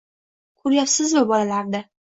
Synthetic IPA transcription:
kʰʊɾjapsɪzvabɒlalaɾd̪a

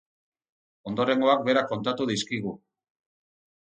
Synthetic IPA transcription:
o̞nd̪o̞ɾe̞ŋɡo̞ak̚be̞ɾako̞nt̪at̪uðiskiɣ̞u

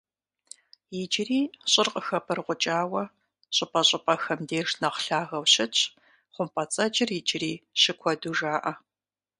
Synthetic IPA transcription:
jɪd͡ʒɪriːɕʼɪrqʼəxɐpʰɐrʁʷʊt͡ʃʼaːwɐ | ɕʼʊpʼɐɕʼɪpʼɐxɐmdeːʂnɐqɬaːɣɐwɕɪt͡ʃʰʼ | χʷʊmpʰʼɐt͡sʼɐd͡ʒɪrjɪd͡ʒɪriːɕɪkʷʰɔduːʐaːʔɐ

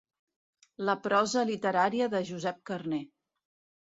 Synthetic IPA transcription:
ləpɾɔzəlit̪əɾaɾiəðəʒuzɛp̚kərne

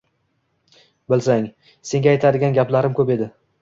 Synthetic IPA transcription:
bɪlsaŋ | se̞ŋɡʲajt̪ʰad̪ɪɡʲanɡʲaplaɾɪmkʰʲɵpe̞d̪ɪ

